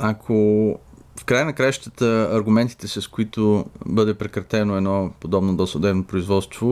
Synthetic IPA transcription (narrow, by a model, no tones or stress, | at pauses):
akʰo | fkɾajənɐkɾajəʃt̪ət̪əɐɾɡʊmɛnt̪i̥t̪ɛsɐskoit̪obɤd̪ɛpɾɛkɾɐt̪ɛnoɛd̪nɔpod̪ɔbnod̪ɔsod̪ɛbnopɾoizvɔt̪st̪vo